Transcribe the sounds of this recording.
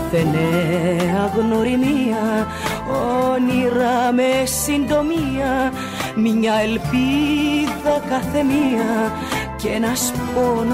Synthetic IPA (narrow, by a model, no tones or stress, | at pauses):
θeneɐɣno̞ɾimiɐ | oniɾɐmesind̪o̞miɐ | mɲɐelpiðɐkɐθe̞miɐ | cenɐspon